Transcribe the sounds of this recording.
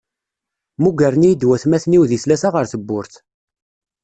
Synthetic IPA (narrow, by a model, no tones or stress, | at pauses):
muɡæɾnijəd̪wæθmæθniwðiθlæsaʁəɾθəbːʊɾθ